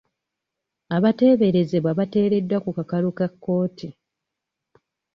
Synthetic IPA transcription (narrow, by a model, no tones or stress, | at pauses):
aβate̞ːβe̞ɾe̞ze̞βwaβate̞ːɾe̞dːwakukakalukakːo̞ːtʰi